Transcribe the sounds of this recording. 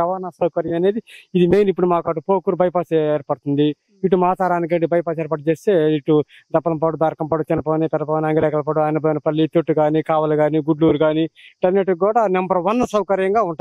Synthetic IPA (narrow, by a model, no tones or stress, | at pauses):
ɐʋɐɾnasɐwkɐɾjɐmɐne̞ːd̪iid̪imejnipːuɽumaːkaːʈupoːkuɾubɐjɐpaːseːɾpɐɽt̪und̪i | iʈːumaːt͡ʃaːɾaːnik̬ɐɳɖibɐjɐpaːsɛːɾpɐʈɐt͡ʃeːst̪e̞ːiʈːu | d̪ɐbːɐlɐmp̬ɐɽud̪aːɾkɐmpɐːɽut͡ʃɛnːɐpoːnit̪ɐɾɐpoːniɐŋɡɐlɛkɐlɐp̬ɐɽuaːjnɐboːnɐpɐlːit̪oʈːuɡaːnikaːʋɐluɡaːniɡuɖluːɾuɡaːniʈɐɾnːeʈuɡuːɽaːnɐmbɐɾʋɐnːɐsɐwkɐɾjɐŋɡaːuɳʈa